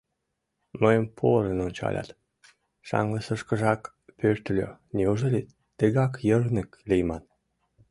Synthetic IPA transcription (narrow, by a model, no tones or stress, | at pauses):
məjəmpʰoɾənonʲt͡ɕɑ̰lʲɑ̰t̪ | ʃɑ̰ŋləsə̆ʃkə̆ʒɑk | pørt̪lʲø̰nʲeuʒɤlʲet̪ | t̪ːeɣɑkjərnə̆klʲejmɑn